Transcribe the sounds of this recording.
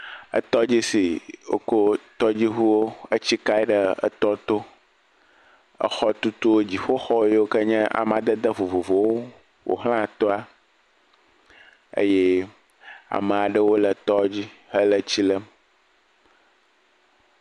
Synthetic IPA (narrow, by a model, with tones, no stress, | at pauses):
ə̰˦t̪ɔ˦d͡ʑi˦si˨o̰˨ko˦t̪ɔ˦d͡ʑi˦ɦu˦wo˦ə˦t͡ɕi˦ka˦ɛ˦ɖə˨ə̰˨t̪ɔ˦t̪o˦ | ə̰˨xɔ˦t̪u˦t̪u˦wo˦d͡ʑi˨ɸo˦xɔ˦je˦wo˦kə˦ɲɛ̃˦ʔa̰˨mã˨d̪ə˦d̪ə˦vo˨vo˨vo˨wo˦ | wo̰˨ɦl̃ã˦t̪ɔ˦a˦ | ə̰˦je˦ | a̰˨mə̃˨a˨ɖə˦wo˦lə˨t̪ɔ˦d͡ʑi˦hə˦lə˦t͡ɕi˦lə˦m